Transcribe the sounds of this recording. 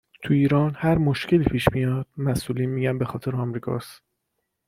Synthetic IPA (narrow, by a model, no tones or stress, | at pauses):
t̪ʰuiːɾɒːnhæɾmoʃcʰe̞liːpʰiːʃmijɒːd̪̥̚mæsʔuːliːnmiːɟænbe̞xɒːt̪ʰe̞ɾeɒmɾiːkʰɒ̰ːs